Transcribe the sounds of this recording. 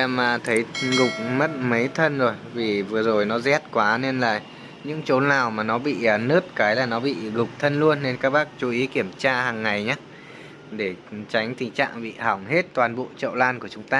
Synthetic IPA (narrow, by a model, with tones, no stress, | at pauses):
a˧˩maː˨˩t̪ʰə˨˦jɣʊ˨˩k͡p̚mə˦˥t̚mə˨˦jt̪ʰə˧nzo˨˩jvi˨˩vɨ˨˩əzo˨˩jnɔ˨˦zɛ˦˥t̚kwaː˨˦ne˧nlaː˨˩ | ɲɨ̰˧˥ŋt͡ɕo˨˦nːaː˨˩wmaː˨˩nɔ˨˦ɓḭː˧˨˩nɨ˦˥t̚kaː˨˦jlaː˨˩nɔ˨˦ɓḭ˧˨ɣʊ˨˩k͡p̚t̪ʰə˧nlu˧ənːe˧nkaː˦˥k̚ɓaː˦˥k̚t͡ɕu˨˦ʔi˨˦ki˧˩əmt͡ɕaː˧haː˨˩ŋːa˨˩jɲaː˨˦ | ɗe˧˩t͡ɕa˨˦jŋ̟t̪ʰï˧˨ŋt͡ɕa̰ː˧˨ŋɓḭ˧˨ha˧˩wŋ͡mhe˦˥t̚t̪waː˨˩nɓo̰˧˨t͡ɕə̰˧˨wlaː˧nku˧˩ət͡ɕʊ˨˦ŋ͡mt̪aː˧